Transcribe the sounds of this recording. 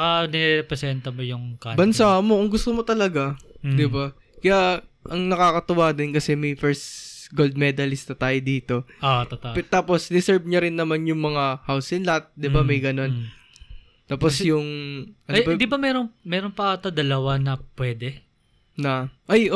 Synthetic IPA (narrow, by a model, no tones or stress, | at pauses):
ɐkɐnɛɾɛpɾɛsɛnt̪ɐmojʊŋkabɐnsaːɐmo̞kʊŋɡʊst̪omot̪ɐlɐɡad̪ɪba | kɐjaʔɐŋnɐkaːkɐt̪ʊwaːd̪ɪnkɐsɛmɐjfɛɹsɡold̪̚mɛːd̪ɐlɪst̪ɐt̪aːjod̪iːt̪o̞ot̪ɐt̪at̪aːpo̞sd̪ɪsɛɹbɲɐɾɪnːɐmanjʊŋmɐŋahawsɪnlɐat̪̚d̪ɪbamɐjɡɐno̞n | t̪aːpo̞sjʊŋʔɐnbɐd̪ibɐmɛːɾoŋmɛːɾonpɐɐt̪ɐd̪ɐlɐwanɐpwɛːd̪ɛ | nɐʔajʔo